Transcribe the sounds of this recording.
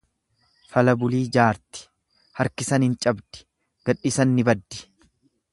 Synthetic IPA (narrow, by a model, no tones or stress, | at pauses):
fɐlɐbʊliːd͡ʒaːɾt̪ɪ̥ | hɐɾkɪsɐnhɪnt͡ʃʼɐbd̪̥ɪ̥ | ɡ̥ɐᶑːɪsɐnːɪbɐd̪ːɪ̥